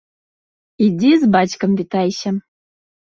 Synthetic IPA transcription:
idʲizbɑt͡ɕkɤ̆mvʲit̪ɑjɕə̆

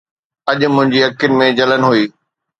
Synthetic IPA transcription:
ɐʄ̆mʊ̃ɦɪ̃ɲd͡ʑiɐkːɪnɪ̆mẽd͡ʑɐlənɪɦuiː

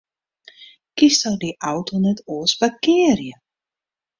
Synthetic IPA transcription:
kistɔwdiʔawtonɛtoːəsbakɪːərjə

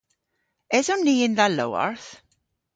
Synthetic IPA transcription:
ɛzɔnniːɪnðalo̰wɔ̰ɹθ

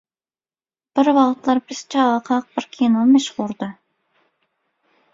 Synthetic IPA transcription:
b̥ɪɾwɑʁt̪lˠɑɾbɪz̥t͡ʃʰɑʁɑqʰɑq̚b̥ɪɾkʲʰenomɛʃʁʊɾd̪ɨ

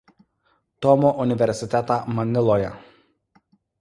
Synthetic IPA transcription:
t̪ɔmoːʔʊnʲɪʋʲɛɾʲsʲɪt̪ʲɛt̪ɑːmɐnʲɪlˠoːjɛ̰

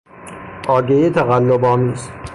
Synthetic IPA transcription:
ʔɒːɟejet̪ʰæɣælːobɒːmiːst̪

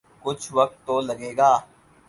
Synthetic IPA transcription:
kʊt͡ʃʰʋək̚t̪ːoːləɡeːɡaː

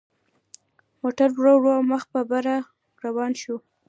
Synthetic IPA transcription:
moʈaɾbɽoɽoməxpabaɾa | ɾawɑnʃu

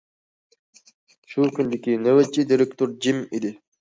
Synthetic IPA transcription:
ʃukynd̪ikʲinəwɛt͡ʃːid̪iɾek̚t̪oɾd͡ʒimid̪i

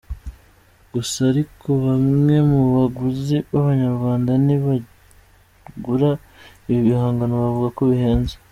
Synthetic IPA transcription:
ɡ̥usaːɾikʰo̞βamŋe̞muβaɡuziβaβaɲaɾɡwaːndaniβa | ɡuɾa | iβiβihaːŋɡanoβavuɡako̞βiheːnze

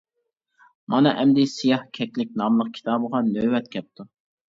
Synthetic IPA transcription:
mɑnɨʔɛmd̪ɪsijɑhkʲʰɛkʲlɪk̚ʲnɑmlˠəq̚kʲʰi̥t̪ʰɑːbəʁɑnøwɛt̪kʲʰɛp̚t̪ʰu

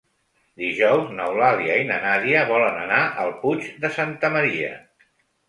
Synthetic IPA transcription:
d̪iʒɔwznəwlaliəinənaðiəβɔlənə̰naʔəlˠput͡ʃd̪əsant̪əməɾiə̰

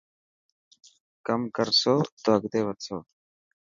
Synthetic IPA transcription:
kɐmkɐɾsot̪oɐɡt̪eːbɐt̪soː

